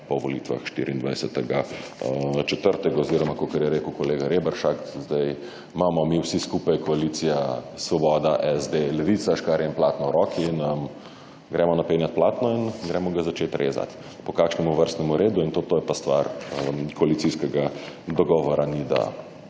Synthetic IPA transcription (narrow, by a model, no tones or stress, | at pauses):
pɔʋɔlḭt̪ʋa̰xʃt̪ḭɾiːnd̪ʋa̰jsɛt̪ɛɡa | t͡ʃɛt̪əɾt̪ɛɡaɔziɾɔmakokɛɾjɛɾeːkəʊkɔleːɡaɾebɛɾʃakzd̪aj | mamɔmiwsiskuːpajkɔaliːt̪sijasʋɔbɔd̪aʔɛzd̪elɛʋit̪saʃkaɾjɛinplaːt̪nɔɾɔkiːnəm | ɡɾɛːmɔnapenjat̪̚plaːt̪nɔinɡɾɛmɔɡazat͡ʃet̪ɾʔḛːza̰t̪ | pɔkaːkʃnɛmuʋəɾst̪nɛmuɾeːd̪uint̪ot̪oːjɛpast̪ʋa̰ɾəmkɔalitsiskɛɡad̪ɔɡɔːʋɔɾanid̪a̰